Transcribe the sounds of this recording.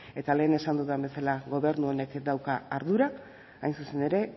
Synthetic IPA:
e̞t̪ale̞ːnesand̪uðambe̞salaɣo̞β̞e̞ɾnuo̞ne̞kd̪awkaaɾðuɾaː | jnsuse̞ne̞ɾe̞

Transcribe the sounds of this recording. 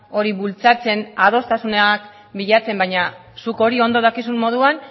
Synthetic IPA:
o̞ɾiβult͡sat͡se̞naðo̞st̪asuneak | biʎat͡se̞mbajɲa | suko̞ɾio̞nd̪o̞ð̞akis̬ummo̞ð̞uan

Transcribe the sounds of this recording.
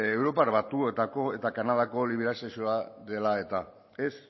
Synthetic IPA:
ewɾo̞paɾβat̪uet̪ako̞e̞t̪akanað̞ako̞liβ̞eɾasesioaðe̞lae̞t̪a | es

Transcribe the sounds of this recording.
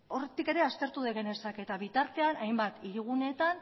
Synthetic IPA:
o̞ret̪ike̞ɾe̞ast̪e̞ɾt̪uðeɣene̞sake̞t̪aβit̪aɾt̪e̞anajmbat̪iɾiɣ̞une̞t̪an

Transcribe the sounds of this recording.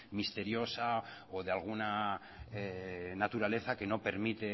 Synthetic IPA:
mist̪e̞ɾjo̞sa | oðealɣ̞una | nat̪uɾale̞θake̞no̞pe̞ɾmit̪e̞

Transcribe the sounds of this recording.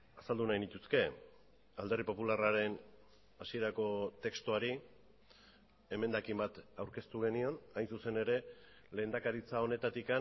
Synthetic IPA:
asald̪unajnit̪uske̞ | ald̪e̞ripo̞pularaɾe̞n | asie̞ɾako̞t̪e̞kst̪uaɾi | e̞me̞nd̪akimbat̪awɾke̞st̪uɣ̞e̞nio̞najnsuse̞ne̞ɾe̞ | le̞ːnd̪akaɾit͡sao̞ne̞t̪at̪ika

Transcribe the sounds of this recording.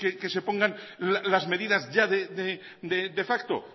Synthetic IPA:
keke̞se̞po̞ŋɡan | lalazme̞ðiðazʝaðed̪e | d̪ed̪e̞fakt̪o̰

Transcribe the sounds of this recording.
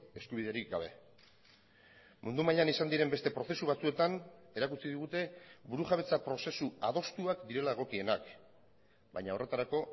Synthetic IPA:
e̞skuβiðe̞ɾik̚ɡaβe̞̰ | mund̪umaʎanisand̪iɾe̞mbe̞st̪e̞pɾo̞θe̞suβ̞at͡sue̞t̪ane̞ɾakut͡siðiɣ̞ut̪e̞buɾuʝaβ̞e̞t͡sapɾo̞se̞suaðo̞st̪uakd̪iɾe̞laeɣ̞o̞kie̞nak | bajɲao̞re̞t̪aɾako̞

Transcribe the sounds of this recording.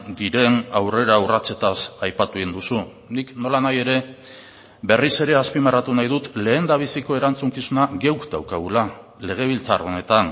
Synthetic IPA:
d̪iɾe̞nawre̞ɾaurat͡se̞t̪asajpat̪uind̪usu | nikno̞lanaje̞ɾe̞ | be̞rise̞ɾe̞aspimarat̪unajðut̪le̞ːnd̪aβ̞isiko̞e̞ɾant͡suŋkisunaɡe̞wkd̪awkaɣula | le̞ɣ̞e̞β̞ilt͡saro̞ne̞t̪an

